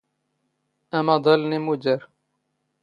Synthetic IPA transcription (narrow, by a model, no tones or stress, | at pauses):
ʔamad̪ˤɑlnimʊd͡ʒaɾ